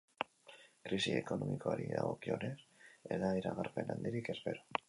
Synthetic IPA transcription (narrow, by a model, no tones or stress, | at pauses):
kɾisieko̞no̞miko̞aɾiðaɣo̞kio̞neseðaiɾaɣaɾpe̞nand̪iɾike̞spe̞ɾo